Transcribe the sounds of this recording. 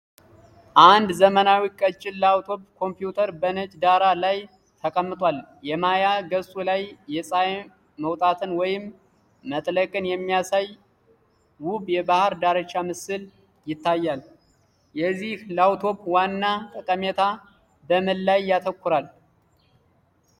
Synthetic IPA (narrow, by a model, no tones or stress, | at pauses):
ʔand̪zəmənawikʼət͡ʃʼːɪlːawt̪ʰo̞bkʰo̞mpjut̪ʰəɾbənət͡ʃʼd̪aɾalaj | t̪ʰəkʼəmːɨt̪ʼwaljɛmajaɡəsʼulajːɛsʼaj | məwt̪ʼat̪ʰɨnwɔjɪmː | ət̪ʼləkʼɨnjɛmːijasaj | wubjɛbahɾd̪aɾət͡ʃːamɨsɨl | jɪt̪ʰːajːal | jɛzːihlawt̪ʰo̞βwanːat̪ʼəkʼəmet̪ʰa | bəmɨlːajːat̪ʰəkʷːʊɾal